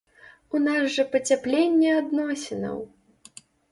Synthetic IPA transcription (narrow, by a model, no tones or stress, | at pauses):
unazʐɐpɐt͡sʲaplʲenʲːɛad̪nɔsʲinɐ̰w